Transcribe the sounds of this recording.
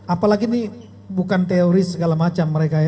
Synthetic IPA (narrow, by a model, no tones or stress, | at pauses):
apalaɡini | bukant̪eoɾisəɡalamat͡ʃamːəɾekaj